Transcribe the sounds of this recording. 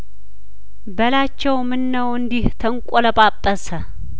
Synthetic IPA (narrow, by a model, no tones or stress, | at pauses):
bəlat͡ʃːɛwmɨnːəwɨnd̪iht̪ʰəŋkʷʼɔləbʼapʼːəsə